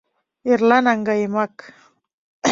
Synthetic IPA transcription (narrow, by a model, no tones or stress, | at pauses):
ɪɾlanaŋɡamak